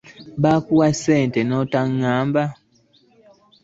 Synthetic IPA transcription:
βakuwaseːntenotaŋːaːmba

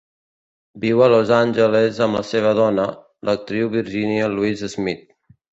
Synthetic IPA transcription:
biwəlozanʲʒəlezəmlə̰seβ̞əðɔnə | lət̪ɾiwβiɾʒiniəluizəzmit̪̚

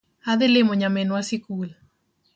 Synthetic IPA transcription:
aðelemoɲamenwasikula

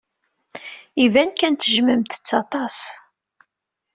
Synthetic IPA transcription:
ivænkænt̪əʒməmt̪ə̥t͡sːɑt̪ˤɑs

